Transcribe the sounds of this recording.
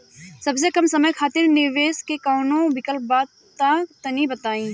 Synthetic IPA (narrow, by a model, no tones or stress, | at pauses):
sɐbs̬ekɐmsɐməjkʰaːt̪ɪɾnɪɾʋeːskekaːnõbɪkəlbaːd̪ | t̪ːakt̪ɐnibɐt̪aːĩ